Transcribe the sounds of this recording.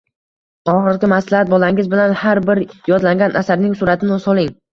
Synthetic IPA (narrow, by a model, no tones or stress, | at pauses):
ɒχɨɾɡʲɪmaslahat̪̚bɒlaŋɪzbɪlanhaɾbɪɾjɒd̪laŋɡʲanʔasaɾnɪŋsʊɾat̪ʰɪnɪsɒlˠɪŋ